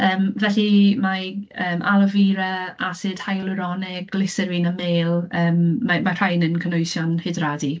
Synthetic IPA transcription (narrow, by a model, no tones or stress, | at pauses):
əːmvɛɬimaəːmʔalˠəviːɾaasɨːd̥hajlˠʊɾɔnɪɡ̥lɪsəɾɪnameːlˠəːmːamar̥ajnənkʰənojsjɔnhɪdradi